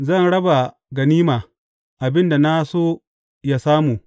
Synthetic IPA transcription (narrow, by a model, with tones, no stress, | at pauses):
zɐ˦˨nɽɐ˦ba˨ | ɡɐ˨niː˦maː˨ | ʔa˨bɪ˦nda˨na˦soː˦ | ja˦saː˦muː˨